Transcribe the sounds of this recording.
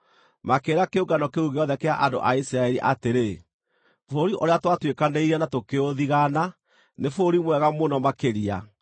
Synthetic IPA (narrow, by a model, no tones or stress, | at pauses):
makeːɾakeoɡanɔkeuɣeɔðɛkea̰ʔando̰ʔaisɾaɛɾiʔateɾe | foɾiʔoɾeatwatwekaneiɾɛnatokeoðiɣana | nefoɾimwɛɣamonɔmakeɾia̰